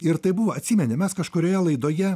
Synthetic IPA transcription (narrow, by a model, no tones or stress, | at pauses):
ɪɾt̪ɐɪbʊʋɐɐt̪ʲsʲiːmʲɛnʲemʲɛskɐʃkoːɾʲoːjɛlˠɐɪd̪oːjɛ